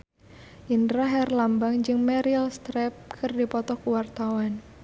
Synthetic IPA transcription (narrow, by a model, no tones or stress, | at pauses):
ʔindɾaɦɛrlambaŋd͡ʒɨŋmɛɾilst̪ɾɛp̚kʰɨrdipɔt̪ɔkuwart̪awan